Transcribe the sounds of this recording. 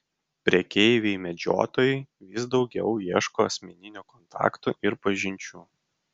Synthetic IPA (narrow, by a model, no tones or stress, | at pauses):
pʲɾʲiɛkʲɛɪʋʲeɪmʲɛd͡ʒʲo̰ːt̪oːjɛɪʋʲɪsd̪ɒʊɡʲɛʊjiɛʃkoːɐsʲmʲɛnʲɪnʲuːkɔnt̪ɑ̰ːkt̪ṵːʔɪɾpɐʒʲɪnʲt͡ʃʲuː